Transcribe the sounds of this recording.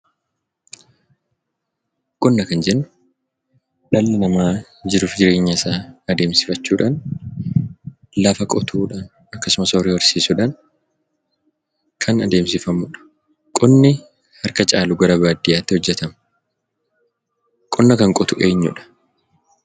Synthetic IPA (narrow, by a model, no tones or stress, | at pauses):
kʼɔnːɐkɐnd͡ʒɛnːʊ̥ | ᶑɐlːɐnɐmaː | d͡ʒɪɾuːfd͡ʒɪɾe̞ːɲːɐɪsaːɐd̪eːmsɪ̥fɐt͡ʃːuːᶑaːn | lɐfɐkʼɔt̪ʰuːᶑaːn | ɐkːɐsʊmɐsorewɔɾsiːsʊᶑaːn | kʰɐnɐd̪eːmsɪfɐmːʊᶑɐ̥ | kʼɔnːɪ | hɐɾkɐt͡ʃʼaːlʊɡɐɾɐbaːd̪ɪjaːt̪ːɪhɔd͡ʒːɛt̪ɐm | kʼɔnːɐkɐŋkʼɔt̪ʊʔe̞ːɲːʊ̰ᶑɐ̥